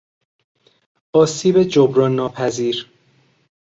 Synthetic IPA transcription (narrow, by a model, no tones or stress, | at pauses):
ʔɒːsiːbed͡ʒobɾɒːnːɒːpʰæziːɾ